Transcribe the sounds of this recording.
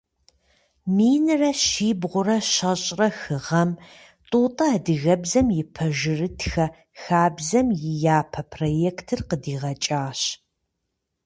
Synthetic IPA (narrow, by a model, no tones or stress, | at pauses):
miːnɨrɐɕiːbʁʷʊrɐʃɐɕʼrɐxɨʁɐm | tʼuːtʼɐːdɨɣɐbzɐmjɪpʰɐʒɪrɨtʰxɐ | xaːbzɐmjɪjaːpʰɐpʰrojeːktʰɨrqədiːʁɐt͡ʃʼaːɕ